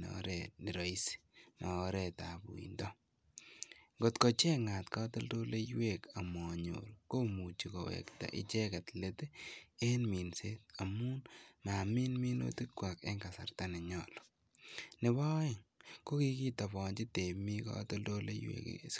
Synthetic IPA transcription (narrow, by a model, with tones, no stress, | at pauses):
nɔ̰ɾɛnɪ˨ɾɔ˨i˦si̥ma˨o˦ɾetabṵ˨ḭ˨ndɔ˦ | ŋɡo˨tko˨t͡ʃe˦ŋa˨tka˦tɔ˦ldo˦le˦jweka˨mɔɲo̰ɾko˦mu˨t͡ʃi˨kowḛkta̰˨ʔɪ̰˦t͡ʃe˦kɛ˨tlete˦e˦nmi˨nse˦t̚a˨mu˦nma˨mi˦nmi˦no̰˦ti˦kwa˨kḛ˦ŋka˨sa̰˨ɾtanɛ˨ɲɔ̰lɔ̥ | nɪ˨βɔ˦ɪ˨ŋko˦ki˦ki˦ta˨bɔ˨ɲd͡ʒɪ˦te˨mi˦ka̰˦to˦ldo˦lḛ˦jwḛkḭ